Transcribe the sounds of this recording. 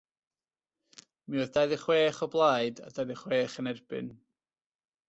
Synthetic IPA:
miɔðd̥ajðɪχweːχɔblˠaɨda̰dajðiχweːχənɛrb̥ɪ̰n

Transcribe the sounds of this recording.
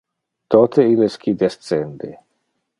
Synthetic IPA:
t̪ot̪ʰeilesk̟id̪est̪t͡send̪e

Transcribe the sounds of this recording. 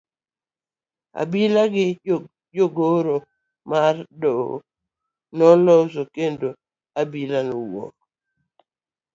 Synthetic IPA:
a̰bilaɡɪ | joɡoɾo | mardɔ̰ | nɔlɔsokendo | abilanɔwɔ̰k

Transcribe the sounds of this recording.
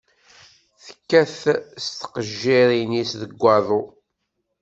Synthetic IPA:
θə̥kːæθst̪ə̥qəʒːiɾinisðəɡʷːɑðˤo

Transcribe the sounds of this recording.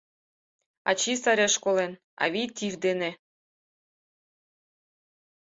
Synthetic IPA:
ɑ̰t͡ɕisɑɾʲeʃkolen | ɑ̰βʲit̪ʲivd̪enĕ

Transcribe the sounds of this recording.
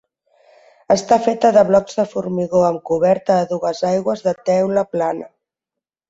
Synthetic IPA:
əst̪afet̪əðəβlɔkz̥ðəfuɾmiɣoəmkuβɛɾt̪əːðuɣəzajɣwəzðət̪ɛwləplanə

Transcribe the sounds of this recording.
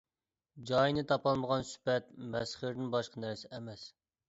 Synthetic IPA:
d͡ʒɑjnɨt̪ʰɑpɑlˠməʁɑnsy̥pɛt̪̚mɛsχɪɾnɪnbɑʃqʰənæɾsɪʔɛmɛs

